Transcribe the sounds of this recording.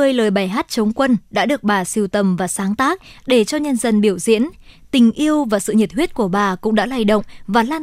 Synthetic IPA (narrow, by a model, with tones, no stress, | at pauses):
əː˧jləː˨˩jɓaː˨˩jɦaː˦˥t̚t͡ɕə˨˦wŋ͡mkwə˧nɗa̰ː˧˥ɗɨ˨˩ək̚ɓaː˨˩si˧əwt̪ə˨˩mvaː˨˩saː˨˦ŋt̪aː˦˥k̚ɗe˧˩t͡ɕɔ˧ɲə˧nzə˧˩nɓi˧˩əwzḭ˧˥ənt̪ï˨˩ŋ̟ʔi˧əwvaː˨˩sɨ̰˧˨ɲə˨˩t̚hwi˦˥ət̚ku˧˩əɓaː˨˩kʊ̰˧˥ŋ͡mɗa̰ː˧˥laː˧˩jɗə̰˧˨wŋ͡mvaː˨˩laː˧n